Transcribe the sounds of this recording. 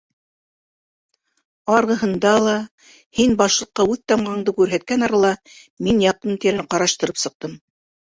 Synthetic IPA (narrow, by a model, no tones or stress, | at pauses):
ɑɾʁɤ̆ɦɤ̆nd̪ɑlˠɑ | hinbɑʃlˠɤ̆qːɑʉðt̪ɑmʁɑɴd̪ɤkʉɾɦæt̪̚kænɑɾɑlˠɑ | minjɑq̚t̪ɤnt̪iɾɘqɑɾɑʃt̪ɤ̆ɾɤpsɤ̆q̚t̪ɤm